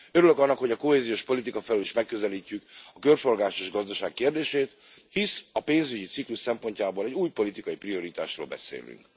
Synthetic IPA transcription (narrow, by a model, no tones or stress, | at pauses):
øɾylø̞kɒnːɒkho̞ɟɒko̞ɦeːzioːʃpo̞lit̪ikɒfɛlyliʃmɛkːø̞zɛliːcːykɒkørfo̞rɡaːʃeːʒɡɒzd̪ɒʃaːkːeːrd̪eːʃeːt̪ | hisɒpeːnzyɟit̪sikluʃsɛmpo̞ɲcaːboːlɛɟuːjpo̞lit̪ikɒjiprio̞ɾit̪a̰ːʃro̰lbɛ̰sḛːly̰ŋk